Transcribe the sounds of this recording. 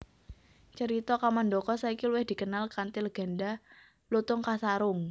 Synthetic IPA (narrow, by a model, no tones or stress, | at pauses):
t͡ʃəɾit̪ɔkamandɔkɔsaikiluwɪhd̪̥i̤kənalkant̪ɪlɡ̥a̤nda | lut̪ʊŋkasaɾʊŋ